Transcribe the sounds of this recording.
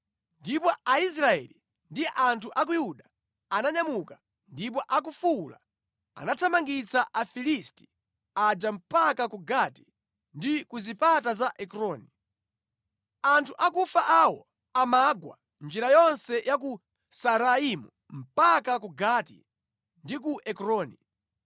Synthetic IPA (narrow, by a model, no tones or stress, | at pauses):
ndipɔais̬ɾaɛ̰li | ndiʔantʰuʔak̬ujuɗa | anaɲamuka | ndip̬ɔʔak̬ufula̰ | a̰natʰamaŋɡit͡saʔafilisti̥ | ad͡ʒam̩pakakuɡati̥ | ndikuzipatazaʔɛkɾɔːni | antʰuʔakufaʔawɔ | amaɡwa̰ | nd͡ʒiɾajɔnsɛjak̬u | saɾaimu | m̩pakakuɡatḭ | ndikuʔɛkɾɔːni